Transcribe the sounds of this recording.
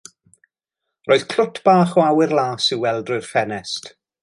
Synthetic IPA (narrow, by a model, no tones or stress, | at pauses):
roːð̥kʰlʊtʰb̥aːχɔawɪrlˠaːsɪwɛlˠdrʊɨrfɛnɛst